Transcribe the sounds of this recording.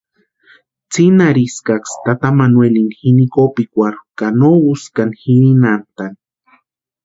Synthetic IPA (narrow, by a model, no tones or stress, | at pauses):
t͡sinaɾiskakst̪at̪amanwelinxinikopikʷaɾukanouskanxiɾinant̪an